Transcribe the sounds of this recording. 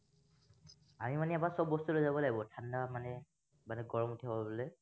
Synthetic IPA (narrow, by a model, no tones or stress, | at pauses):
amimaniabasɔbːɔstulojzabɔlaɡibɔtʰandamanɛ | manɛɡɔɹɔmutʰiabɔlo